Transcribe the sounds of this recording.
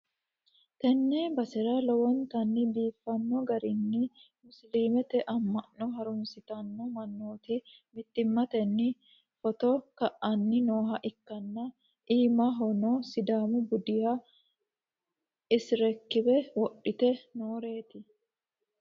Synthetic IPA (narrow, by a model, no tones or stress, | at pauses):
t̪ɛnːɛbɐsɛɾɐlɔwɔnt̪ɐnːɪbiːfːɐnːɔɡɐɾɪnːɪ | mʊsliːmɛt̪ɛʔɐmːɐnːɔɦɐɾʊmsɪt̪ɐnːɔmɐnːoːt̪ɪmɪt̪ːɪmːɐt̪ɛnːɪ | fɔt̪ɔkɐʔɐnːɪnoːɦɐʔɪkːɐnːɐ | ʔiːmɐɦɔnɔsɪd̪aːmʊbʊd̪ɪja | ɪsɪɾɛkːɪbɛwɔɗːɪt̪ɛnoːɾe̞ːt̪ɪ